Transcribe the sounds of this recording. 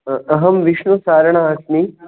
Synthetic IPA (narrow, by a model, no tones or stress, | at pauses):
ɐɦɐmʋiʃɳusaːɾɐɳ̃aɐsni